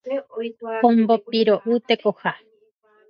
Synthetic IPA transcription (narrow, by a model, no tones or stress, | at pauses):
pombopiɾoʔut̪ekoha